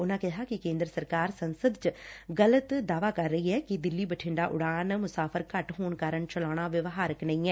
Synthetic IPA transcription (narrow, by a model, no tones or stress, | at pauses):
ʊnãːkɪɦaːkɪkẽːnd̪ɾəsəɾkaːɾsənsəd̪t͡ʃəɡələt̪d̪aːʋaːkəɾːəiɦɛːkɪd̪ɪlːiːbəʈʰɪ̃ɳɖaːʔʊɽaːnmʊsaːpʰəɾkəʈɦoːnkaːɾəɳt͡ʃəlaːɽ̃aːʋɪʋɦaːɾəknə̃ĩːɛː